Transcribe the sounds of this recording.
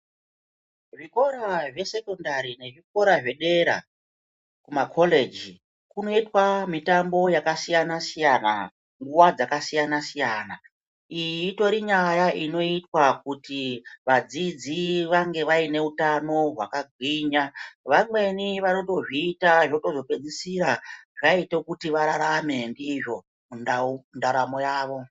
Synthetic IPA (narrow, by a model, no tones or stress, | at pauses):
ʐiko̞ɾaʐe̞se̞kondaɾine̞ʐiko̞ɾaʐe̞ɗe̞ɾa̰ | kumakʰo̞le̞d͡ʒi | kuno̞itwamitambo̞jakasijanasijana̰ | ŋɡuwad͡zakasijanasijana | iito̞ɾiɲajaʔino̞itwakutiʋad͡zid͡ziʋaŋɡe̞ʋaine̞utano̞ɦwa̰kaɡʱwiɲaʋamwe̞niʋano̞to̞ʐiːtaʐinoto̞zo̞pe̞d͡zisiɾaʐaitokutiʋaɾaɾame̞ndiːʐo̞ | munndaɾamo̞jaːʋo̞